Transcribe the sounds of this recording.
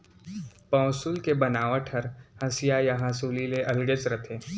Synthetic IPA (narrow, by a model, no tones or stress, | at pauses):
pɔ̃ːsʊlkebɐnaːʋaʈʰɐɾhɐ̃sijajɐɦãsuːlileʔɐlɡət͡ʃɾɐt̪ʰeː